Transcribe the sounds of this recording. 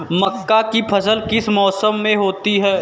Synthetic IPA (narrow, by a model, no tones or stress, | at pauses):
mɐkːakipʰɐsəlkɪsmɔːsəmːẽɦoːt̪iɦɛː